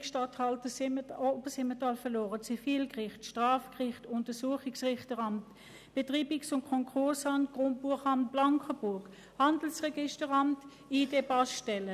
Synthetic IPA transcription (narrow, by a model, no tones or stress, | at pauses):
kʃtathɑltəsbəsɪmətɑlfɛlɔːʁət͡sifiːlkʁɪχtʃtʁaːfkʁɪχtʊntəsuəχɪksʁɪχtəʁɑmt | b̥etʁiːbɪksʊntkʰɔŋkʰʊɐsɑntɡ̥ʁonbuɐχɑmt̚b̥laŋkʰəb̥ʊɐk | hɑndl̩sʁɛɡɪʃtəʁɑmt | iːdebɑstɛlə